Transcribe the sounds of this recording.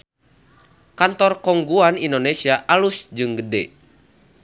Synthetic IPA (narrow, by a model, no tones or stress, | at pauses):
kant̪ɔrkɔŋɡuanindonesiaʔalusd͡ʒɨŋɡədɛ̰